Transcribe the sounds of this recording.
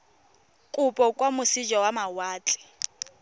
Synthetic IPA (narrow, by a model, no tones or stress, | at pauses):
kʼʊpʼɔkʼwamʊsid͡ʒɔwamawaːt͡ɬʼɪ̥